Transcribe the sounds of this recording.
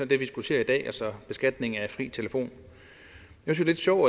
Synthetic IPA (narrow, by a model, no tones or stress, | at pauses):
ɒd̥eʋisɡ̥usʰe̝̰ːɐid̥ɛ̰ːɒsɒ̽b̥e̝sɡ̥æd̥ne̝ŋ̩æ̥fʁḭːt͡sʰe̝ləfo̝̰ːn | jæsynsle̝d̥ɕɒʊæ